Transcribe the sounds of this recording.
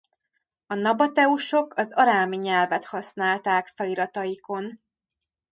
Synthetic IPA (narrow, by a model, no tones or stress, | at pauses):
ɒnɒbɒt̪ɛuʃo̞kʰɒzɒɾaːmiɲɛlvɛt̪hɒsnaːlt̪aːkfɛliɾɒt̪ɒjiko̞n